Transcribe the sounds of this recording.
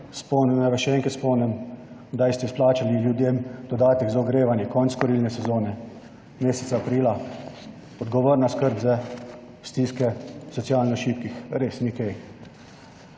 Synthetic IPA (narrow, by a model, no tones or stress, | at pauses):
spɔwnɛmnaʋɛʃɛɛŋkat̪spɔwnɛmd̪ajst̪ɛisplaːt͡ʃaliljud̪jemd̪ɔd̪aːt̪ɛɡzaɔɡɾeːʋanjɛkɔnt̪skɔɾilnɛsɛzoːnɛ | meːsɛ̥t̪saːpɾiːla | ɔd̪ɡɔʋɔɾnaskəɾbzɛ | st̪iːskɛsɔt̪sjaːlnɛɔʃiːp̪̚kixɾeːsnikɛj